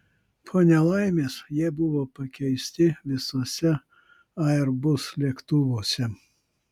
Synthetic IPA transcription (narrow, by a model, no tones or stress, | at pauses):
pʰoːnʲɛlˠɑˑɪmʲeːsjiɛbʊʋoːpɐkʲɛɪsʲt̪ʲɪʋʲɪsoːsʲɛ | ɐɛɾbʊslʲɛkt̪ʊʋoːsʲɛ